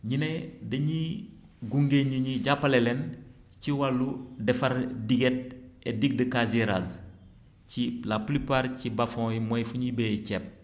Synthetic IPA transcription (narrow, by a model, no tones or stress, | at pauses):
ɲinedɐɲi | ɡuŋɡeɲiɲiɟapːɐlelɛn | ciwalːudɛfɐɾdiɡet̚ediɡ̚dəkaziɾa̰z | cilaplipaːɾcibafɔ̃ːjimojfuɲibecɛp̚